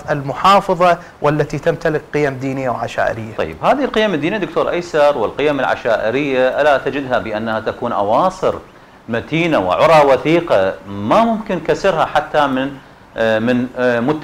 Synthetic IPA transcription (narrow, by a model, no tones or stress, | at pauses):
ʔɪlmʊħɑːfɑðˤɑ | wʔalːat̪it̪amt̪alɪkqɨjamd̪iːnɪjːawʕaʃa̰ːʔɪ̰ɾɪjːat̪ˤɑ̰jːɪbhaːðɪhɪlqɪjːamɪd̪ːiːnid̪ʊkt̪oːɾˤʔajsɑɾˤwɪlqɪjːamɪlʕa̰ʃaːʔɪɾɪjːaʔalat̪ad͡ʒɪd̪ɦabɪʔanːahat̪akuːnʔɑ̰wɑːsˤɨɾ | mat̪iːnawɪ̰ʕʊɾˤɑwaθiːqɑmamʊmkɪnkasɪɾhaħat̪ːamɪn | mɪnmʊt̪ː